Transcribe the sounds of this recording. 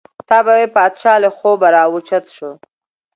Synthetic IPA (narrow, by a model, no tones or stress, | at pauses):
t̪ɑbawepɑd̪ʃɑːlexobaɾɑwʊt͡ʃat̪ʃo